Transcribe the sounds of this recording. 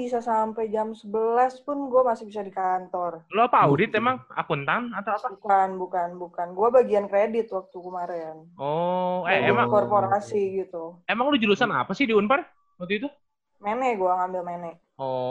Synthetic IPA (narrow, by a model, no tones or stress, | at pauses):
bisasampajd͡ʒamsəbəlaspʊnɡuamasɪhbisadikant̪ɔrloapaawdɪt̪emaŋa̰kunt̪anat̪awapaukanbukanbukanɡuabaɡiankɾedɪt̪̚wak̚t̪ukəmaɾɛnɔɛemaŋkɔrpoɾasiɡit̪uemaŋlod͡ʒulusana̰pasɪhdiunpan | mət̪uit̪u | menɛʔɡuaŋambɪlmenɛʔ | ɔ